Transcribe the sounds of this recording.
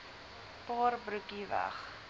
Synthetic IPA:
pɑːrbɾʉkivæ̰χ

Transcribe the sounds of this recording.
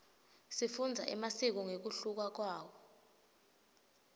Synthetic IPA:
sifund͡zʱa̰ʔɛ̰masik̬ɔŋek̬uɬuk̬wak̬waːwɔ

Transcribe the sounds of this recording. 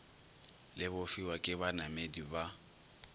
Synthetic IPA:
lɪbʊfiwakʼɪbanamediba

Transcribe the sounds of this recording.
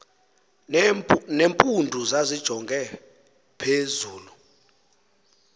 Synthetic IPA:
nempʼundʱuzazid̥ʒ̥ʱɔŋɡʱɛ | pʰezuːlu

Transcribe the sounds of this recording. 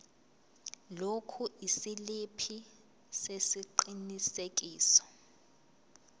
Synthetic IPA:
lokʰuʔisilipʰi | sesiǃinisek̬ʼiːsɔ̥

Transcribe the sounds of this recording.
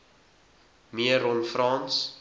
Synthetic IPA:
miəɾɔnfrɑːns

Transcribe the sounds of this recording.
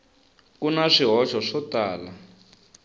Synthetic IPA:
kunaʂiɦɔʃɔʂɔtaːla

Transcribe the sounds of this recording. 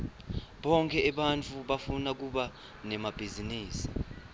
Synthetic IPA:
ɓɔŋkʰʼɛːɓant͡fʰuɓafunak̬uɓa | nɛmab̥ʱiziniːsi̥

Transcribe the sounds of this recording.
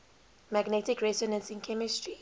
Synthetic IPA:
maɡnɛtikɹɛzɔnə̃nsĩnkʰɛmistɹi

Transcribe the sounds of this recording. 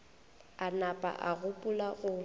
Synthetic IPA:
anapʼa̰ʔaɣʊpʼulaɣʊ

